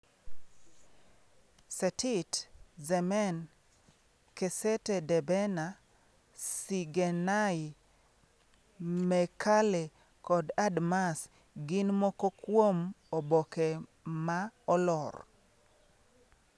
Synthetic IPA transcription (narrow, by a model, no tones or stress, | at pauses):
sɛtɪtzɛmɛn | kesɛtedɛbɛna | siɡenaɪ | mɛkʰale | kɔdadmas | ɡɪnmɔkokwomobɔkɛmaɔlɔr